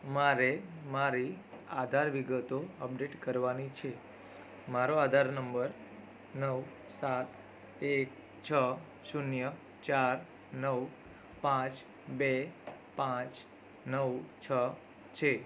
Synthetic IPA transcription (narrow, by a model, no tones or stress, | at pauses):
maɾemaɾiad̪ʱaɾʋiɡət̪oəp̚ɖeʈkəɾʋanit͡ʃʰe | maɾoad̪ʱaɾnəmbəɾ | nəʋ | sat̪ | ek̚ | t͡ʃʰə | ʃunjə | t͡ʃaɾ | nəʋ | pãt͡ʃ | bepãt͡ʃ | nəʋt͡ʃʰə | t͡ʃʰe